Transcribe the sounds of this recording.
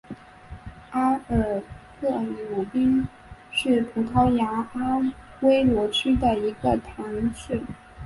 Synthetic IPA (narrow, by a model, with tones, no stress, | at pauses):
a˥ə˨˩kʰɤ˥˩li˧˥lu˨˩pi˥n | ʂɻ̩˥˩pʰu˧˥t̪ʰɑ˧˥ʊja˧˥a˥ | we˥ɪlwɔ˧˥ʈ͡ʂʰy˥d̪ə˨i˧˥ɡə˧t̪ʰa˧˥ŋʂ̩˥˩